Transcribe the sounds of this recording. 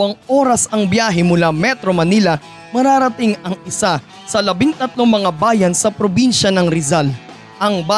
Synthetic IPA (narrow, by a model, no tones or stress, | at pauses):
ɐŋʔoːɾɐsɐŋbjaːɦɛmʊlamɛt̪ɾomɐnilɐ | mɐɾaːɾɐt̪ɪŋɐŋɪsa | sɐlɐbɪŋt̪ɐt̪̚loŋmɐŋabaːjɐnsɐpɾobinʃɐnɐŋɾɪzal | ʔɐŋba